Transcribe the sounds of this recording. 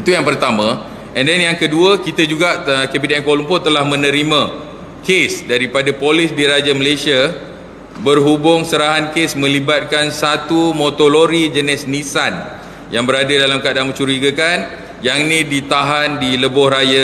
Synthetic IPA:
it̪ujaŋpərt̪amã | ɛ̃ndɛnjaŋkəduəkit̪ad͡ʒuɡaʔkɛpidɛnkolumpʊt̪əlahmə̃nə̃ɾimã | kesdaɾipadapolɪsdiɾad͡ʒaməlesia | bərɦubʊŋsəɾaɦankesmə̃libat̪̚kansat̪umõt̪oloɾid͡ʒənɪsnisan | jaŋbəɾadadalamkadaŋmət͡ʃuɾiɡəkan | jaŋnĩdit̪aɦandiləbʊhraja

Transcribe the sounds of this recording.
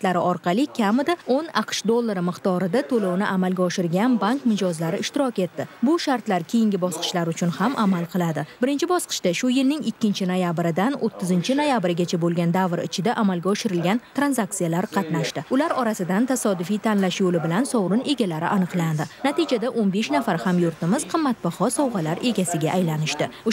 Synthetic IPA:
t̪laɾɪʔɒɾqʰɑlɪkʲʰamɪd̪aonɑqʰʃd̪olˠːaɾɪmɨqt̪ɒɾɪd̪at̪ʰolownɪ̰ʔamalɡʲaɒʃɪɾɡʲanbaŋkmɪd͡ʒɒzlaɾɪɪʃt̪ɪɾɒkʲe̞t̪ːɪbʊʃaɾt̪laɾkʲʰe̞jɪŋɡʲɪbɒsqʰɨ̥ʃlaɾʊt͡ʃʰʊnhamʔamalˠqʰɨlˠad̪ɪbɪɾɪnt͡ʃʰɪbɒsqʰɨ̥ʃt̪aʃʊjɪlnɪŋɪkʲːɪnt͡ʃʰɪnojabɾɪd̪anot̪ʰːɪzɪnt͡ʃʰɪnojabɪɾɡʲat͡ʃʰabolˠɡʲand̪avɾɪ̰t͡ʃʰɪd̪aʔamalɡʲaɒʃɪɾɪlɡʲant̪ɾanzak̚t̪sijalaɾqʰɑt̪naʃt̪ɪʊlaɾɒɾasɪd̪ant̪ʰasɒd̪ʊfijt̪ʰanlaʃjolɪbɪlansɒwɾʊne̞ɡʲalaɾɪʔanɨqlˠand̪ɪnat̪id͡ʒad̪aʔonbe̞ʃnafaɾhamjʊɾt̪ɪmɪzqʰɨmːat̪̚bahɒsɒwʁɑlaɾe̞ɡʲasɪɡʲaʔːjlanɪʃt̪ɪʊ

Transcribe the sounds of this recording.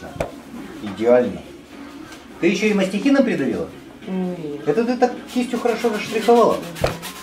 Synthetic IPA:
ɪdʲɪalʲnɨ̰ | t̪ɨjɪɕːoiməsʲtʲɪxʲinɐmpɾʲɪd̪ʊlʲḭlˠə̰ | ɛt̪ət̪̬ɨt̪ak̚t͡ɕʲisʲtʲʊxəɾɐʂovəʂt̪ɾʲɪxɐvalˠə̰

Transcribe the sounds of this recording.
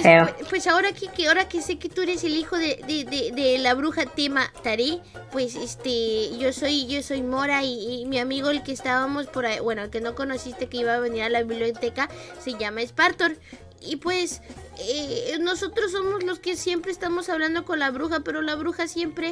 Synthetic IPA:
eeopwe̞sao̞ɾakikeaoɾakese̞ket̪ueɾeselixoðed̪eðed̪elaβɾuxat̪emat̪aɾe | pwesest̪eʝosojʝosojmoɾaiːmiamiɣoelkeːst̪aβamospoɾabwenoelke̞no̞ko̞nosist̪ekeiβaːβeniɾalaβiβljot̪ekaseʝamaespaɾt̪oɾ | ipwesenosot̪ɾos̬ːomozloskesje̞mpɾeːst̪amo̞saβland̪okonlaβɾuxapeɾo̞laβɾuxasje̞mpɾe

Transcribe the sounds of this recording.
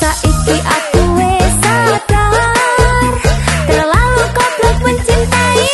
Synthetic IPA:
saʔikiʔakuwesaɖ̥a | rt̪ərlalukɔb̥lɔkwʊnt͡ʃint̪ai

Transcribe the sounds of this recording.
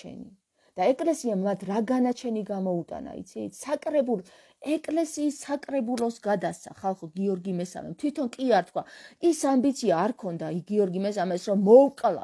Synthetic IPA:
ɛ̰ni | d̪̥aɛkʼlɛsiamːat̪ʰɾaɡanat͡ʃʰɛniɡamɔut̪ʼa̰na̰ḭt̪sʰisakʼɾɛbul | ɛkʼlɛsiːsːakʼɾɛbulˠɔsɡad̪ast̪sʰa̰χalˠχɔɡiɔɾɡimɛsa̰mɛ̰mt̪ʰwit̪ʰɔnkʼiaɾt̪ʰkʰwaisambit̪sʰiaːɾkʰɔnd̪aiɡiɔɾɡimɛsamɛsɾɔmːɔwqʼlˠa̰

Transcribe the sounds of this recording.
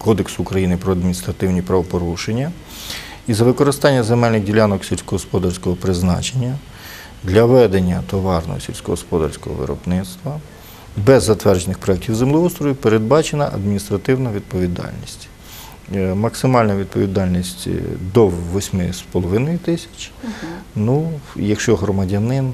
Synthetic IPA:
kɔd̪eksʊːkɾɐjinɪpɾɔɐd̪mʲinʲist̪ɾɐt̪ɪwnʲipɾɐʋɔpɔɾuʃenʲːɐ | izɐʋɪkɔɾɪst̪ɑnʲːɐzemɛlʲnɪɣdʲilʲanɔksʲilʲsʲkɔɦɔspɔd̪ɐrsʲkɔɦɔpɾɪznɑ̰t͡ʃenʲːɐ | d̪lʲɐʋɛd̪enʲːɐt̪ɔʋɑrnɔ̰ɦɔ̰sʲḭlʲsʲkɔɦɔspɔd̪ɐ̰rsʲkɔ̰ɦɔ̰ʋɪ̰ɾɔ̰bnɪt̪st̪ʋɐ | bɛzːɐt̪ʋɛrd͡ʒenɪxpɾɔɛk̚tʲiwzemlʲˠɔust̪ɾɔʋʲipeɾed̪̚bɑt͡ʃenɐʔɐ̰d̪mʲinʲist̪ɾɐt̪ɪwnɐʋʲid̪̚pɔʋʲid̪ɑ̰lʲnʲisʲtʲ | mɐksɪmɑlʲnɐʋʲid̪̚pɔʋʲid̪ɑlʲnʲisʲtʲd̪ɔʋɔsʲmɪspɔlˠɔʋɪnɔjit̪ɪsʲɐ̥t͡ʃʲ | nujɐkʃt͡ʃɔɦɾɔmɐdʲɐnɪn

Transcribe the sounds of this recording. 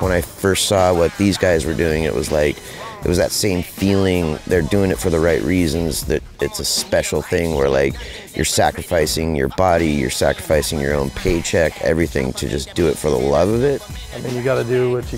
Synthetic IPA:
wə̃ñaɪfɜ˞stsɔwʌt̪̚ðizɡaɪzwə˞dʉɪ̃ŋɨ̰ʔwʌ̰zlaɪk | ɨʔ̚wʌzðɨ̰tsẽɪ̃ɱfilˠɪ̃ŋðə˞dʉɪ̃ŋɨtfə˞ðəɹaɪʔɹizɨ̃nzðɨɾ | ɨtsɨspɛʃl̩ˠθɪ̃ŋwə̰˞la̰ɪk | jə̰˞sækɹɨfaɪsɪ̃ŋjə̰˞bɑɾijə̰˞sæ̰kɹəfaɪsɪ̃ŋjə̰˞õʊ̃npʰeɪt͡ʃʰɛkʰɛ̰vɹiθɪ̰̃ŋtʰɨd͡ʒʌsd̥ɨɨtfə˞ðə̰lʌvʌvɪt̚aɪmĩnjɨɡɑɾɨdɨwʌt͡ʃɨ

